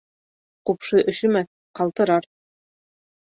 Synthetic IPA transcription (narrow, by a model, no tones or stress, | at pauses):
qupʃɤʔɵ̆ʃɵ̆mæ | qɑlˠt̪ɤ̆ɾɑɾ